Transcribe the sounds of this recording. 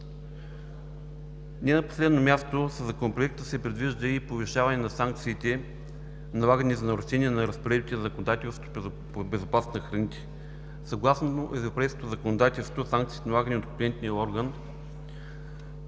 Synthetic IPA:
nʲɛnɐpo̥slɛd̪nomʲast̪osəzɐkonopɾoɛk̚t̪əsɛpɾɛd̪viʒd̪əipoviʃavɐnɛnɐsaŋkt̪siːt̪ɛ | nɐlˠaɡənʲizɐnɐɾʊʃɛnʲiɛnɐɾəspɾɛdbit̪ɛnzəkonod̪at̪ɛlˠst̪ot̪o | bɛzopasnəxɾɐnit̪ʲɛ̥ | sɐɡlˠasnoʔɛvɾopɛjskot̪ozəkonod̪at̪ɛlˠst̪osãŋkt̪siːt̪ɛnɐlaɡənʲiot̪kplʲiɛnt̪niəɔɾɡən

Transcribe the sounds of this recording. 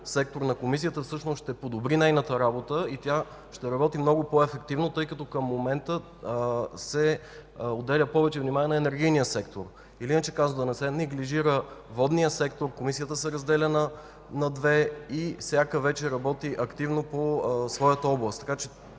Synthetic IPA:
sɛk̚t̪oɾnɐkomis̬ijət̪əfsɤʃnosʃt̪ɛpod̪obɾinɛjnət̪əɾabot̪əit̪ʲja | ʃt̪ɛɾɐbɔt̪imnɔɡʊpoɛfɛk̚t̪ivnot̪ɤjkɐt̪ɔkəmːomɛnt̪ə | sɛ | od̪ːɛlʲəpɔvɛt͡ʃɛvnimanʲiɛnɐɛnɛɾɡ̟ijnijəsɛkt̪oɾ | iliinət͡ʃɛkazod̪ɐnɛsɛnɛɡliʒiɾəvɔd̪nijəsɛkt̪oɾkomisijət̪əsɛɾɐzd̪ɛlʲɛnə | nɐd̪vɛifsʲjakəvɛt͡ʃɛɾɐbɔt̪iʔɐkt̪ivnoposvɔjət̪əɔblˠəst̪ːɐ̥kat͡ʃɛ

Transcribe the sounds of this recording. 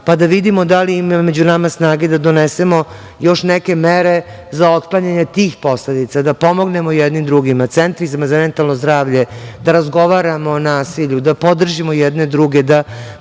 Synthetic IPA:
pad̪aʋid̪imo̞d̪alimamed͡ʑunamasnaːɡed̪ad̪onese̞mo̞ | jo̞ʃnɛke̞meɾe̞ | zao̞t̪klˠaɲaɲet̪iːxpo̞sled̪it̪sad̪apo̞mo̞ɡne̞mojɛd̪nimd̪ɾuɡimat̪sɛnt̪ɾizamazamɛnt̪alnozd̪ɾaːʋʎed̪aɾazɡo̞ʋaɾamoːnaːsiʎud̪apo̞d̪r̩ʒimojɛd̪ned̪ɾuɡed̪a

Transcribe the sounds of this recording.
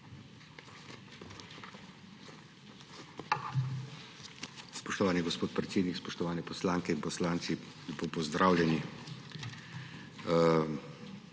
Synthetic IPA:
spɔʃt̪ɔʋaːniɡɔspoːt̪̚pɾɛt̪seːd̪nikspɔʃt̪ɔʋaːnɛpɔslaːŋkɛinpɔslaːnt̪si | pɔpɔzd̪ɾʔaːwlʲɛni

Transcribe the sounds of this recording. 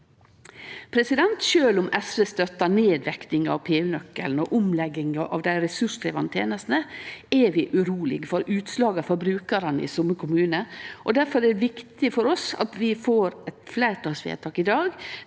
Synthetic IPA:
pʰɾɛsɪd̪ɛnt̪ʃøːlʊmɛsʋəst̪œt̪ːɑneːd̪ʋɛkt̪ɪŋɑ̰ʋpʰeːʉnœkːəln̩ɔʔʊmlɛɡɪŋɑʔɑ̰ʋd̪æɪɾɛsʉʂt̪ʰɾɛːʋɑnt̪ʰjḛːnəst̪nəɛʋɪʔʉɾuːlɪ̰ɡfɔɾʉːt̪slɑːɡɑfɔɾbɾʉːkəɾənəɪ̰sʊmːəkʰʊmʉːnəʔɔd̪æɾfɔɾɛʋɪkt̪ɪfɔɾɔsɑ̰t̪ʋɪfoːɾɛt̪flæɪɾt̪ʰɑsʋḛːt̪ʰɑːkɪd̪ɑːɡ

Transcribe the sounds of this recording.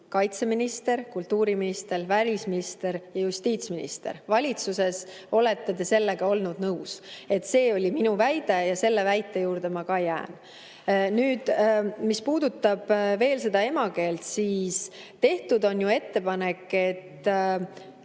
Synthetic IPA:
kɑjt̪se̞minist̪e̞ɾkult̪ːuːɾiminist̪e̞ɾvælʲisminist̪e̞ɾjɑjust̪iːt̪sminḭst̪e̞̰ɾvɑlʲit̪suse̞so̞le̞t̪ːed̪e̞se̞lːe̞ɡ̥ɑo̞lnud̪̥nɤwse̞t̪se̞ːo̞lʲiminuvæjd̪̥e̞jɑse̞lːe̞væjt̪ːˑe̞juːɾd̪e̞mɑkɑjæ̰ːn | nyːd̪̥mispuːd̪̥ut̪ːɑb̥ve̞ːlse̞d̪̥ɑe̞mɑke̞ːlt̪siːst̪e̞ht̪ud̪o̞njue̞t̪ːe̞pɑne̞kːe̞t̪ː

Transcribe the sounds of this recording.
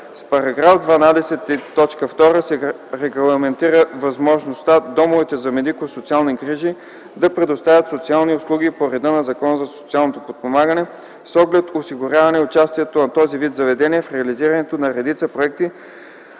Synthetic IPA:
spɐɾɐɡɾafd̪vɐnad̪ɛsɛt̪it̪ːɔt͡ʃkəft̪ɔɾəsɛ | ɾɛɡlˠɐmɛnt̪iɾəvɐzmɔʒnost̪ad̪ɔmovɛt̪ɛzɐmɛd̪ikosot̪sialˠniɡɾiʒi | d̪ɐpɾɛd̪ost̪avʲət̪sot̪sialˠniʊslˠuɡipoɾɛd̪ənɐzɐkɔnzɐso̥t̪ialˠnot̪opot̪̚pomaɡənɛ | sɔɡlɛt̪osiɡʊɾʲjavɐnɛʊt͡ʃast̪iɛt̪onɐt̪ɔzivit̪zɐvɛd̪ɛniɛfɾɛɐliziɾɐnɛt̪onɐɾɛd̪it̪səpɾoɛk̚t̪i

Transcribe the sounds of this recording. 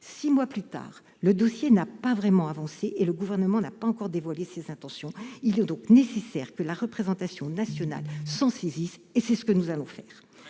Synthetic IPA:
simwaplyt̪a̰ːʁ | ləd̪ɔsjenapavʁɛmɑ̃avɑ̃seʔeləɡuvɛʁnəmɑ̃napaɑ̃kɔʁd̪evwalesezɛ̃t̪ɑ̃sjɔ̃ilɛd̪ɔ̃knesesɛʁkəlaʁəpχezɑ̃t̪asjɔ̃nasjɔna̰lsɑ̃sezisesɛsə̥kənuzalɔ̃fɛ̰ːʁ

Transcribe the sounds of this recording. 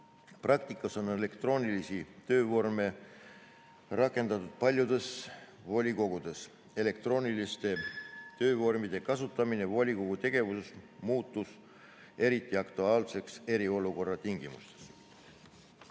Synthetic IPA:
prɑk̚t̪ikˑːɑso̞ne̞le̞kt̪ro̞ːnʲilisit̪ø̞ːvo̞rme̞ | rɑkːˑe̞nd̪̥ɑt̪ːud̪̥̚pɑlʲjud̪̥e̞svo̞lʲiko̞ɡud̪̥e̞s | e̞le̞kt̪ɾro̞ːnʲilist̪e̞t̪ø̞ːvo̞rmid̪̥e̞kɑsut̪ːˑɑminevo̞lʲiko̞ɡ̥ut̪e̞ɡ̥e̞vusesmuːt̪ˑːus | e̞ɾit̪ːˑiɑkt̪uɑːlse̞kse̞ɾio̞luko̞rːɑt̪iŋɡimṵst̪e̥s

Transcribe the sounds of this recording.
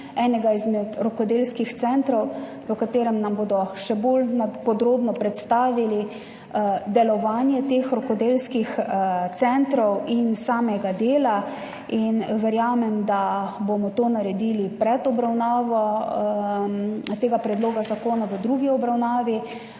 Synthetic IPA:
ɛːnɛɡaizmɛt̪ɾɔkɔd̪eːlskixt̪sɛnt̪ɾɔw | pɔkat̪eːɾɛmnamboːd̪ɔʃɛbolnapɔd̪ɾoːbnɔpɾɛt̪st̪aːʋili | d̪ɛlɔʋaːnjɛt̪eːxɾɔkɔd̪eːlskixt̪sɛnt̪ɾɔwinsaːmɛɡad̪eːla | inʋɛɾjaːmɛmd̪abomɔt̪oːnaɾɛd̪iːlipɾɛt̪ɔbɾawnaːʋɔ | t̪eːɡapɾɛd̪loːɡazakoːnaʋəd̪ɾuɡiɔbɾawnaːʋi

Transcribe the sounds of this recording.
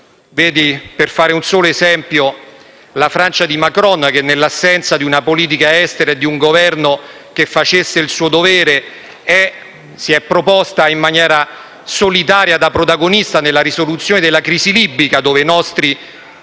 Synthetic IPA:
veːd̪iperfaːɾeunsoːloezɛmpjo | lafɾant͡ʃad̪imakɾɔnɛk̟enːelːasːɛnt̪sad̪iunapoliːt̪̬ikaɛst̪eɾaed̪iuŋɡovɛrno | k̟efːat͡ʃesːeilsuːod̪oveːɾe | ɛ | siɛpːɾopɔst̪aimːanjɛːɾa | solit̪aːɾjad̪apɾot̪aɡonist̪anelːaɾisolut̪sjoːned̪elːakɾiːzilibːikad̪oːvenɔst̪ɾi

